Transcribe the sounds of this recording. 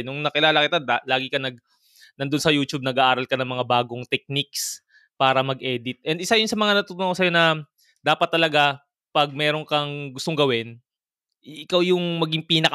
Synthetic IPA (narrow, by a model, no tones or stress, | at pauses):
nʊŋnɐkɪlaːlakɪt̪aalaːɡɪkɐnɐɡ̚ | nɐnd̪onsɐjuːt͡ʃub̚nɐɡaʔaːɾɐlkɐnɐŋmɐŋabaːɡo̞ŋt̪ɛk̚nik̚s | paːɾɐmɐɡʔɛːd̪ɪt̪̚ʔɛnd̪ʔɪsajʊnsɐmɐŋanɐt̪ut̪ːukos̬ɐjo̞nɐ | d̪aːpɐt̪ːɐlɐɡa | pɐɡ̚mɛːɾo̞nkɐŋɡʊst̪oŋɡɐwɪn | ʔɪkawjʊŋmɐɡiŋpiːnɐk